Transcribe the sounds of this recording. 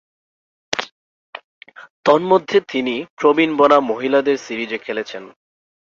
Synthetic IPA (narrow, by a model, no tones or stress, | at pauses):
t̪ɔnmod̪ʱːet̪inipɾobinbɔnamoɦilad̪eɾsiɾid͡ʑekʰelet͡ɕʰen